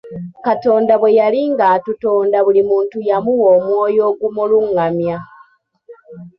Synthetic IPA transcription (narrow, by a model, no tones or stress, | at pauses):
kato̞ːndaβwe̞jaliŋɡaːtuto̞ːndaβulimuːntujamuwo̞ːmwo̞ːjo̞ːɡumuluŋːamja